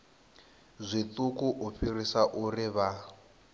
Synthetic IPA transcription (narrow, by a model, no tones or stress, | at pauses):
zʷit̪ukuʔuɸirisaʔuriβa